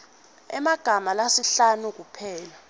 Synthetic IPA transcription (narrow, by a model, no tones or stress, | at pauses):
ɛ̰maɡ̥ʱamalasiɬanuk̬upʰɛːla